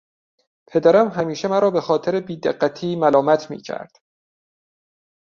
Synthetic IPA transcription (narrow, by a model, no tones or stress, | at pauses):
pʰe̞d̪æɾæmɦæmiːʃemæɾɒːbe̞xɒːt̪ʰeɾebiːd̪eɢːæt̪ʰiːmælɒːmæt̪ʰmḭːcʰæ̰ɾd̪̥